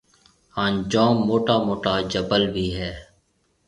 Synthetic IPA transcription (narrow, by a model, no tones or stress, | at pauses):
hãːnd͡ʒãːmːoːʈaːmoːʈaːd͡ʒəbəlbʱiːɦɛː